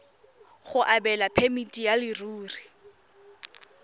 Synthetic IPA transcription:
χʊʔabɛlapʰemitʼijalɪruːri

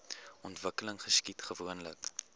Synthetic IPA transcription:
ʔɔntvəkələŋχəskitχəvuənlə̰k

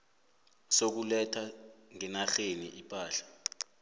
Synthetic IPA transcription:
sok̬ulɛtʰaŋɛnaxeniʔipʼaːɬḁ

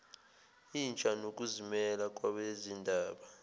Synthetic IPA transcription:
iːnt͡ʃʼanok̬ʼuzimɛlak̬ʼwaɓezindʱaːɓa

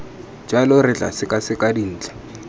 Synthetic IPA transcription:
d͡ʒalʊrɪt͡ɬʼa̰sɪkʼasɪkʼadin̩ːt͡ɬḁ

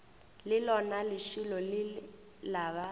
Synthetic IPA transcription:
lɪlɔnalɪʃilɔlɪ | laːβa

